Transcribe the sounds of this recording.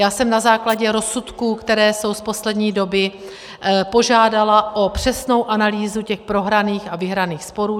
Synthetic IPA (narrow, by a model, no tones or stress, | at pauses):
jaːsɛmnazaːklaɟɛɾo̞sut̪kuːkt̪ɛɾɛːso̞wspo̞slɛdɲiːdo̞bɪ | po̞ʒaːdalaʔo̞pr̝̥ɛsno̞wʔanaliːzucɛxpɾo̞ɦɾaniːxavɪɦɾaniːxspo̞ɾuː